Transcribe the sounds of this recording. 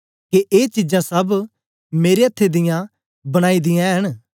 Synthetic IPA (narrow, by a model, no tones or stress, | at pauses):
keʔeːt͡ʃid͡ʒãsɐb | meːɾeɐt̪ʰːed̪ɪjã | bɐɽ̃aːid̪ɪjãɦɐɽ̃